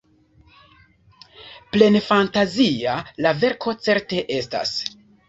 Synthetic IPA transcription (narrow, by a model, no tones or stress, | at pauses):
ple̞nfantazialave̞ɾkʰo̞t͡se̞ɾte̞ʔe̞sta̰s